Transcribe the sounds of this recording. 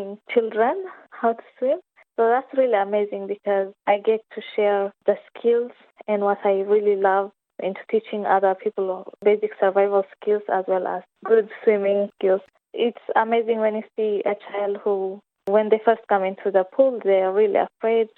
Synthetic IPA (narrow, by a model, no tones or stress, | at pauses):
ŋt͡ʃɪldɹə̃nhaʊtʰu̥swĩm | soʊðætsɹiliəmeɪzɪ̃ŋbikʰɔzʔaɪɡɛtʰːuʃɛɹðəskʰɪlˠz̥ | ɛ̃nwɔtʰaɪɹililʌv | ɪ̰̃ntʰu̥tʰit͡ʃɪ̃ŋʌ̰ðə˞pʰipl̩beɪzɪksə˞vaɪvəlˠskʰɪlˠzæ̰zwɛlæ̰z̥ɡʊdswĩmɪ̃ŋskɪlˠz̥ | ɪtsəmeɪzɪ̃ŋwɛ̃njusiət͡ʃaɪlˠd̚hu | wɛ̃nd̪efɜ˞st̚kʌ̃mɪ̃ntʰuðəpʰulðeɹilḭə̰fɹeɪd̚